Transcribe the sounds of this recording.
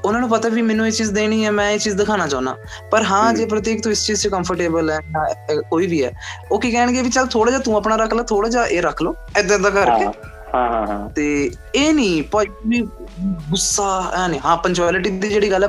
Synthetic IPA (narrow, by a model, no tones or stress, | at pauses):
ʊnaːnũːpət̪aːʋiːmɛːnũːeːt͡ʃiːzd̪eːniːɛːmɛ̃ːeːt͡ʃiːzd̪ɪkʰaːnaːt͡ʃaːʊna̰ːpəɾɦãːd͡ʒeːp̬ɾət̪̬iːkt̪õːɪst͡ʃiːzt͡ʃkəmpʰəɾʈeːbəlɛːjakoːiːʋiːɛ̰ːoːkiːkɛːəɳ̃ɡeːʋiːt͡ʃəlt̪ʰoːɽaːd͡ʒaːt̪ũːapnaːɾəkʰlaːt̪ʰoːɽaːd͡ʒaːʔeːɾəkʰloː | ɛd̪ãɛd̪aːkəɾke | hãt̪eː | eːnĩːpəːiːɡʊsːaːɛːnĩːɦãːpənt͡ʃɛːlɪʈiːd̪iːd͡ʒeːɽiːɡəlːɛ